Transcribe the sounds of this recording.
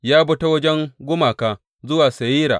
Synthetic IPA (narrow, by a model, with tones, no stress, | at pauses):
jaː˦bʊ˦ta˦wɐ˦d͡ʒɛ˦ŋɡʷʊ˦maː˨kaː˨ | zʊ˦waː˨sɐ˨jiː˦ɾa̰ː˨ʔ